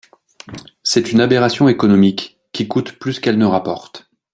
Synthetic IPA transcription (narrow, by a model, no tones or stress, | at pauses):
sɛt̪ynabeʁasjɔ̃ekɔnɔmikːʲ | ikut̪plyskɛlnəʁapɔʁt̪